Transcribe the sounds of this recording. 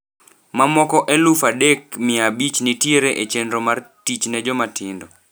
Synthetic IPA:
mamɔkɔʔɛlufadɛkmɪabit͡ʃnitjeɾeʔet͡ʃendɾɔmartit͡ʃnɛd͡ʒɔmatɪndɔ

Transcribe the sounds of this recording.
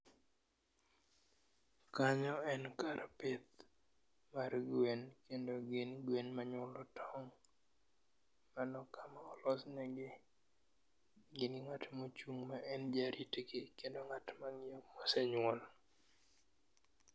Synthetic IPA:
kaɲɔɛnkaɾʔpɪt̪ | marɡwenkendoɡɪnɡwenmaɲwɔlɔtʰɔŋ | manɔkamaɔlɔsnɛɡɪ | ɡɪniŋatmot͡ʃuŋmaʔɛnd͡ʒaɾʔiteɡekendoŋatmaŋjommosɛɲwɔl

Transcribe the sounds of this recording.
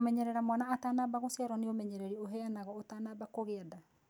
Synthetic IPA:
mɛɲɛɾɛɾamwanaːtanabaɣosaɾɔneomɛɲɛɾɛɾioɦɛanaɣɔotanabakoɣeɛda

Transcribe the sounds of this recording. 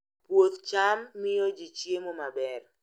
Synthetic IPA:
pwot̪t͡ʃamːɪjod͡ʒit͡ʃjemomabɛr

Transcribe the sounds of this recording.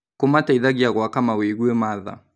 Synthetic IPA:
komataiðaɣiaɣwakamaweɣuemaða̰

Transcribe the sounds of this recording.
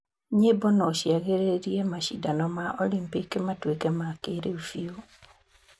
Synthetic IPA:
ɲebɔnɔʃjaɣeɾeɾiɛmaʃidanɔmaʔɔlimpikematwekɛmakeɾeufio

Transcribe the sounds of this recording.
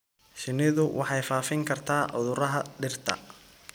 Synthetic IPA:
ʃɪnɪðʊwʔɑħɑjfaːfɪŋkʰɐrt̪ʰaːʔʊ̰ðʊɾɐɦɐɖɪrt̪ʰɐ̰

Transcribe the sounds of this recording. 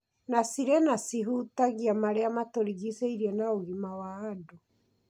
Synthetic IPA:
nasiɾɛnasiɦutaɣiamaɾeamatoɾiɣiseiɾiɛnaoɣimawaːdo

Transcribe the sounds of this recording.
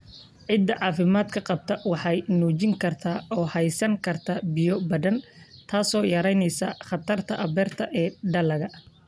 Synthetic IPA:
ʕɪd̪ːɐʕɑːfɪmaːd̪kʰɐqɑb̚t̪ʰɐwɑħɑjnuːt͡ʃɪŋkʰɐrt̪ʰaːɔːhɛjsɐŋkʰɐrt̪ʰɐbɪjɔbɐðɐnt̪ʰaːsɔːjɐɾɛjnɛjsɐχɑt̪ʰɐrt̪ʰɐʔɐbɛːrt̪ʰɐʔɛːɖɐlɐɣɐ

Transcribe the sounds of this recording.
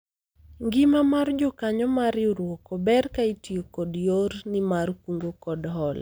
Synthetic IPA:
ŋɡimamard͡ʒokaɲɔmaɾjoɾwokobɛrkaitiokɔdjoɾnɪmarkuŋɡokɔdɦɔl

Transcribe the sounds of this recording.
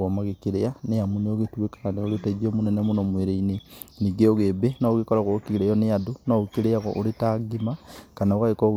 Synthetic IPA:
omaɣekiɾeaneamuneoɣetuwekḁneoleteɣiomonɛnemonomweɾeine | niɡeoɣebenaoɣikoɾaɣookiɾejoneadunaoɣkiɾeaɣo̰ʔoɾetaɡimakanaoɣaɣeko

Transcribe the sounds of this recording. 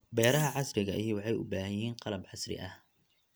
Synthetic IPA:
bɛːɾɐɦɐʕɑsrɪɣɐʔijwɑħɑjʊ̰baːhɐjɪhiːnqɑlɐbʕɑsɾɪ̰ʔɐh

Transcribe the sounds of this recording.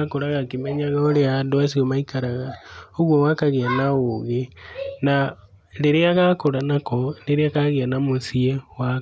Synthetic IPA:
akoɾaɣakimɛɲaɣaoɾeandoasiomaikaɾaɣaoɣwɔwakaɣeanaoɣena | ɾeɾeaɣakoɾanakɔɾeɾeakaɣeanamosiɛwa

